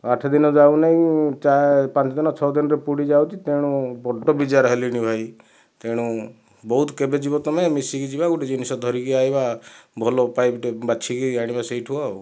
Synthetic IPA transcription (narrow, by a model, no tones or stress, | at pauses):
aʈʰd̪inɔd͡ʒawnaĩt͡ʃapãnt͡ʃɔd̪inɔt͡ʃʰɔd̪inɔɾepuɽid͡ʒawt͡ʃit̪eɽ̃ũbɔɖɔbid͡ʒaɾɔɦeliñibʱaj | t̪eɽ̃ũ | bɔɦut̪kebed͡ʒibɔt̪ɔmemisikid͡ʒibakuʈid͡ʒinisɔd̪ʱɔɾikiajbabʱɔlɔpajbʈebat͡ʃʰikiaɽ̃ibaseiʈʰua